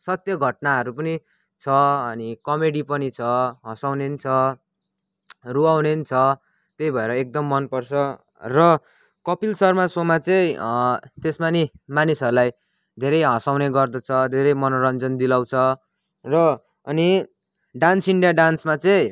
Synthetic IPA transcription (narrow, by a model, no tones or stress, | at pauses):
sʌt̪jʌɡʱʌʈ̚naɦʌɾupʌni | t͡sʰʌʌnikʌmeɽipʌnit͡sʰʌɦʌsawnenit͡sʰʌ | ruawnenit͡sʰʌ | t̪ejbʱʌeɾʌek̚d̪ʌmːʌnpʌrt͡sʰʌ | rʌ | kʌpilsʌrmasomat͡sʌ̃ĩ | t̪esmanimanisʌɾulaj | d̪ʱeɾʌjɦʌsawneɡʌrd̪ʌt͡sʰʌd̪ʱeɾʌjmʌnoɾʌnd͡zʌnd̪ilaw̃t͡sʰʌ | rʌ | ʌni | ɖansiɳɖijaɖansmat͡sʌĩ